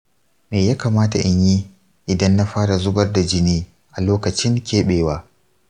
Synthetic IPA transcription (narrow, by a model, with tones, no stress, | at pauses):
meː˨jaː˦kaː˨maː˦ta˨ʔɪ˦ɲji˦ | ʔɪ˨dɐ˦nːa˦ɸaː˦ɽa˨zʊ˦bɐ˦rda˨d͡ʒɪ˦niː˦ | ʔa˨loː˦kɐ˨t͡ʃɪ˦ŋkʲeː˦ɓeː˨waː˦